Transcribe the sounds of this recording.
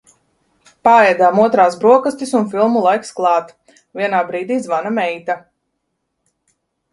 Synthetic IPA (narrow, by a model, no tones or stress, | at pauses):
paɛjd̪aːmuɔt̪ɾaːsbɾuɔkast̪isunfilˠmulˠajksklˠɑːt̪ | viɛnaːbɾiːd̪iːzvanamɛjt̪a